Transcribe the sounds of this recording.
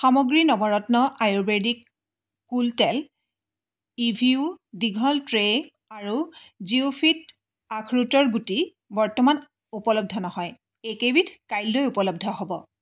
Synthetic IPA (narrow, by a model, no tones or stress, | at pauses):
xamɔɡɹinɔbɔɹɔtnɔʔajobedik | kːultɛl | ibʱiudiɡʱɔltɹe | aɹuziupʰit | akʰɹutɔɹɡuti | bɔɹtɔman | upɔlɔb̚dʱɔnɔhɔj | ejkebitʰkajlːojupɔlɔb̚dʱɔɦobɔ